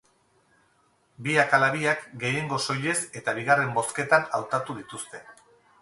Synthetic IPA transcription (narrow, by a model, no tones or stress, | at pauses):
biakalaβiakɡe̞je̞ŋɡo̞so̞ʎe̞se̞t̪aβ̞iɣare̞mbo̞ske̞t̪anawt̪at̪uðit̪ust̪e̞